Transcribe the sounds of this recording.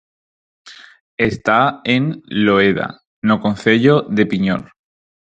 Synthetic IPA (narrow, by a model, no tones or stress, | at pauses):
e̞st̪aenloeða̰ | nokonθe̞ʎoðe̞piɲo̰l